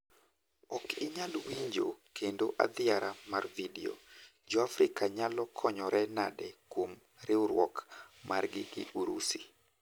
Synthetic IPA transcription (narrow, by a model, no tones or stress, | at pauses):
ɔkɪɲalwiɲd͡ʒokʰendoʔa̰d̪ɪaɾamarvidio̰ | d͡ʒɔafɾɪkaɲalɔkʰɔɲɔɾɛnadɛkwom | ɾɪʊɾwɔkmarɡɪɡɪʔuɾusi